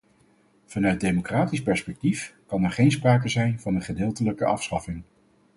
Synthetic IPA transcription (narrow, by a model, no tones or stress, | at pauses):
v̥ɑnœɥt̚dejmokraːtispɛɹspɛk̚tifkɑnɛɹχejnspraːkəzɛjnvɑnənχədɪːlˠtələkəʔɑ̰fsχɑfɪŋ